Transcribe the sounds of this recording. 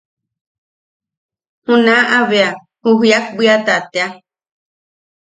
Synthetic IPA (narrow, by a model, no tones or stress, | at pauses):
hũnãʔaβea | huɦjak̚biat̪at̪ea